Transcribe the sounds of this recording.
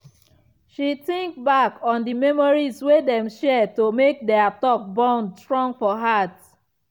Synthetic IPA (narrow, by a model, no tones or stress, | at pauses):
ʃitĩŋkbakɔ̃ndimɛmɔɹizwedɛ̃mʃɛtomek̚dɛatɔk̚bãndstɹɔ̃ŋɡfɔɦat